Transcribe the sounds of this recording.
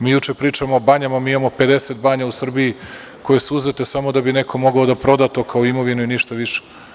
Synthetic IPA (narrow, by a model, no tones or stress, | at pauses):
miːjut͡ʃepɾiːt͡ʃamoːbaɲamamiːimamo̞ped̪e̞set̪̚baːɲausr̩bii | ko̞je̞suuzet̪e̞samo̞d̪abinekʰo̞mo̞ɡaod̪apɾo̞d̪at̪o̞ːkʰaoimo̞ʋinuiniʃt̪aʋiʃe̥